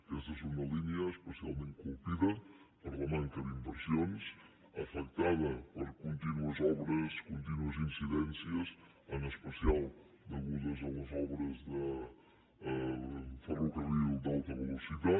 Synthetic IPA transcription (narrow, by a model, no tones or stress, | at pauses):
ɛst̪ɐsunɐlinjɐeʃpəsjalˠmẽnt̪̚kulˠpiðɐ | poɾlɐmẽnk̪ɐðimbəɾsjons | ɐfɛk̚t̪aðɐpɐɾkõnt̪inuɐzɔβɾɐskõnt̪inuɐzĩnsiðɛnsjɐs | ɐnɐspəsialˠ | d̪ɐlɣunɐzɐuɐzɔβɾɐzðɐ | fɐrukɐβiud̪awt̪ɐβəlˠusiða